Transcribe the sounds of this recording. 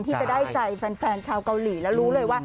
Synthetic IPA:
nt̪ʰiː˥˩t͡ɕa˨˩daː˥˩jt͡ɕa˧˩jfɛː˧nfɛː˧nt͡ɕʰaː˧wka˧wliː˨˩˦lɛ˦˥wɾuː˦˥lɤː˧jwaː˥˩

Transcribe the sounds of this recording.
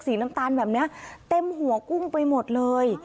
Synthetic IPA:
k̚siː˩˦na˦˥mt̪aː˧nbɛː˨˩p̚ni˦˥ɐt̪e˧mɦu˨˩˦əku˥˩ŋpa˧jmo˨˩t̪̚lɤː˧j

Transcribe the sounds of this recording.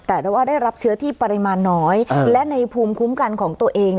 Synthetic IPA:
t̪ɛː˨˩daː˧˩waː˥˩daː˥˩jɾa˦˥p̚t͡ɕʰɯ˦˥ɐt̪ʰiː˥˩pa˧ɾi˧maː˧nːɔː˦˥jlɛ˦˥na˧jpʰuː˧mkʰu˦˥mka˧nkʰɔː˩˦ŋt̪u˧ɐʔeː˧ŋni˩

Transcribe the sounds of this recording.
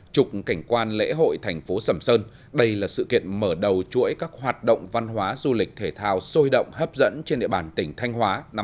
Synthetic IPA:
t͡ɕʊ˨˩k͡p̚ka˧˩jŋ̟kwaː˧nlḛ˧˥ɦo̰˧˨jt̪ʰa˨˩jŋ̟fo˨˦sə˧˩msəː˧n | ɗə˧jlaː˨˩sɨ̰˧˨kḭ˧˨ənməː˧˩ɗə˨˩wt͡ɕu˧˥əjkaː˦˥k̚ɦwaː˨˩t̚ɗə̰˧˨wŋ͡mva˧nɦwaː˨˦zu˧lï˨˩k̚t̪ʰe˧˩t̪ʰaː˧wso˧jɗə̰˧˨wŋ͡mhəː˦˥p̚zə̰˧˥nt͡ɕe˧nɗḭ˧˨˩ɓaː˨˩nt̪ï˧˩ŋ̟t̪ʰa˧jŋ̟ɦwaː˨˦na˨˦

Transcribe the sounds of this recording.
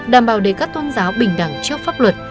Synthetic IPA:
ɗaː˨˩mɓaː˨˩wɗe˧˩kaː˦˥k̚t̪o˧nzaː˨˦wɓï˨˧˩ŋ̟ɗa̰ː˧˩ŋt͡ɕi˦˥ək̚faː˦˥p̚lwə˨˩t̚

